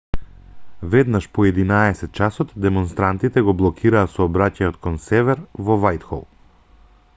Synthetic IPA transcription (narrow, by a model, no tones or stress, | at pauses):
vɛd̪naʃpɔɛd̪inaɛsɛt̪̚t͡ʃasɔt̪d̪ɛmɔnst̪ɾant̪it̪ɛɡɔblˠɔkʰiɾaːsɔːbɾacajɔt̪kɔnsɛvɛɾvɔvajt̪xɔ̰lˠ